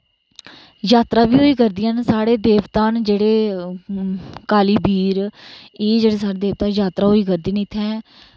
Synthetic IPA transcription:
jaːt̪ɾaːbiːɦoːiːkəɾd̪ijãːnsaːɽeːd̪eːʋt̪aːnd͡ʒeːɽeː | kaːliːbiːɾeːd͡ʒeːɽeːsaːɽeːd̪eːʋt̪ãːjaːt̪ɾaːɦoːiːkəɾd̪iːniːt̪ʰːɛ̃ː

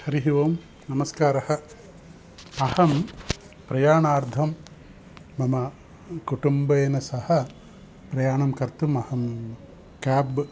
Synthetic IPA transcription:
hɐɾiɦiʋoːm | nɐmɐskaːɾɐhɐ | ɐhɐm | pɾɐjaːɳaːɾd̪ʱɐmː | ɐmɐ | kuʈumbɐjːnɐsɐhɐ̆ | pɾɐjaːɳɐmkɐɾt̪umɐhɐm | kaːb

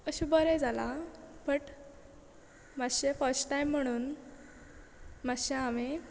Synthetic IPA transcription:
əɕubəɾed͡zʱalapəʈ | maɕefəɾsʈʈajm̤ːəɽ̃uːn | maɕeame

